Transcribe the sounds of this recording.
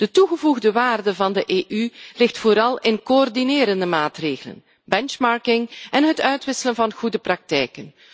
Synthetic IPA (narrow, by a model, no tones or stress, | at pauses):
d̥ətuɣəvuɣdəʋaːrdəvɑndəʔeːʔylɪxtfoːɾɑlˠɪnkoɔrdineːɾəndəmaːtreːɣələ̰n | bɛnt͡ʃmɑɹkɪŋɛnɦətœɥtʋɪsələnvɑnɣudəprɑk̚tɛjkən